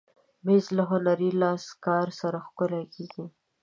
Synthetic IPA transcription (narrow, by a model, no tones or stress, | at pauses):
mezlaɦʊnaɾilɑskɑɾsaɾaxkʊlakeɡi